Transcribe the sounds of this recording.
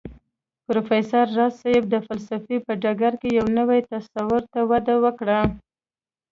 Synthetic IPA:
pɾofesaɾːɑsajɪb̚d̪əfalsafipəɖaɡaɾkejawnəwajt̪asawʊɾt̪awad̪awəkɽa

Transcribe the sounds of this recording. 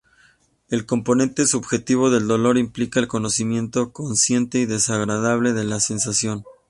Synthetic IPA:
e̞lko̞mpo̞nẽ̞nt̪e̞suβxe̞t̪iβ̞o̞ðe̞ld̪o̞lo̞ɾimplikaelko̞no̞simje̞nt̪o̞ko̞nsje̞nt̪e̞iðe̞saɣɾaðaβ̞le̞ðe̞lase̞nsasjo̞n

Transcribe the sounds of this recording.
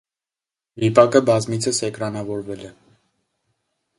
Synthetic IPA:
vipɑkəbɑzmit͡sʰəsɛkɾɑnɑvɔɾvɛlɛ

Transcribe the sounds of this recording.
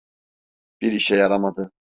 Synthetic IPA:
b̥iɾiʃɛjaɾamad̪ɯ

